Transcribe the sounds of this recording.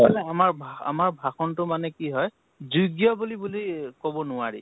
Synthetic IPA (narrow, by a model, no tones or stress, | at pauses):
ɛlɛamaɹbʱaa̰maɹbʱaxɔntʊmanɛkiɦɔj | zuɡjɔbulibulikɔbɔnʊwaɹḭ